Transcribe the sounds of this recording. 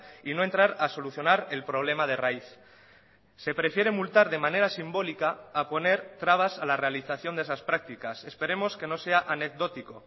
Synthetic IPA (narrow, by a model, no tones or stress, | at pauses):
ino̞e̞nt̪ɾaɾaso̞luθjo̞naɾe̞lpɾo̞β̞le̞mað̞e̞raiθ | se̞pɾe̞fje̞ɾe̞mult̪aɾðe̞mãne̞ɾasimbo̞likaːpo̞ne̞ɾt̪ɾaβ̞asalare̞aliθaθjo̞nd̪esaspɾak̚t̪ikase̞spe̞ɾe̞mo̞ske̞no̞se̞aʔane̞k̚do̞t̪iko